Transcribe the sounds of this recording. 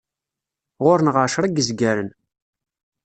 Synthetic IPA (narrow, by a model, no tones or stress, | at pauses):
ʁʊɾənʁaʃɾˤəɡəzɡæɾən